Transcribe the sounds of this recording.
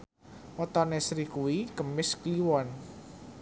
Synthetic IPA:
ɔt̪ɔnesɾikuwikəmɪskliwɔn

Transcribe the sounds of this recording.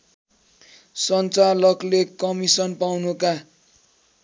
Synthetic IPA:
sʌnt͡salʌklekʌmisʌnpawnuka

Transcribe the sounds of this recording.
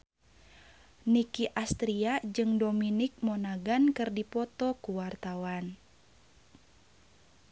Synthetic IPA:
nikiʔast̪ɾiad͡ʒɨŋdominik̚mɔnaɡankɨrdipɔt̪ɔkuwart̪awan

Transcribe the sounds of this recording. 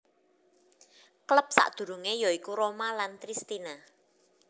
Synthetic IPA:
kləp̚sa̰ʔd̪̥ṳɾṳŋejɔikuɾomalant̪ɾist̪ina

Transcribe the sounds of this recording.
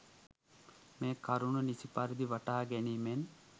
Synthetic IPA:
meːkaɾununisipaɾid̪iʋaʈaːɡɛniːmen

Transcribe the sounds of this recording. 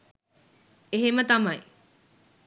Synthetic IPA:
eɦemət̪ɐmaj

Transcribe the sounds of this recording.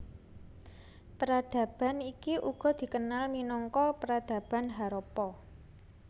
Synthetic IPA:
pəɾad̪̥ä̤b̥a̤nikiʔuɡ̥ɔ̤d̪̥i̤kənalminɔŋkɔpəɾad̪̥ä̤b̥a̤nɦaɾɔpɔ

